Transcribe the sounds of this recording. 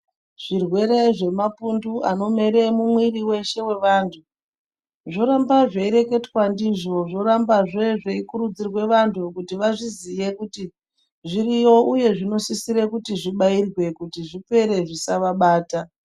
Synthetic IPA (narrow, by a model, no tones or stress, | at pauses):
ʐ̥irwe̞ɾe̞ʐe̞mapundua̰no̞me̞ɾe̞mumwiriwe̞ʃe̞we̞ʋaːntʰu | ʐo̞ɾambaʐaiɾe̞ke̞twandiʐo̞ʐo̞ɾambaʐeʐaikuɾud͡zirwe̞ʋantʰukutiʋaʐizije̞kuti | ʐirijo̞ʔuje̞ʐino̞sisiɾekutiʐiɓairwe̞kutiʐipe̞ɾe̞ʐisaʋaɓaːta